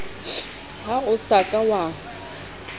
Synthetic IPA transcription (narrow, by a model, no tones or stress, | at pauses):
haʊsakʼawa